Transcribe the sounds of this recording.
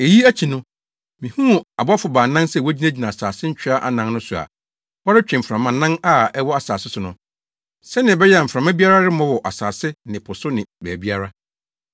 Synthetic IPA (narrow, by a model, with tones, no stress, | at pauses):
e˨ji˦æ˦t͡ɕʰi˨nʊ̃˦ | mĩ˨hũ˦˨a˨bʊ˦a˦fʊ˨baː˨nã˦nsɛ˨wɔ˦d͡ʑi˦nã˦d͡ʑi˨nã˨a˨saː˨sɪ˦ɲ̩˦t͡ɕᶣɪ˦a˦ʔa̰˨nã˦nnʊ̃˦sʊ˨a̰˨ | wɔ˦ɾɪ˦t͡ɕᶣɪ̃˨m̩˨fɾã˨mã˨nːã˦na˨ɛ˦wɔ˦a˨saː˨sɪ˦sʊ˨nʊ̃˨ | sɛ˦nɪ̃˨ɛ˨bɛ˦jɛ˦a˨fɾã˨mã˦bi˦a˦ɾa˦ɾɪ˦mɔ̃˦wɔ˨ʔa˨saː˨sɪ˦nɪ̃˨pʰʊ˨sʊ˦nɪ̃˨bæː˨bi˦a˦ɾa˦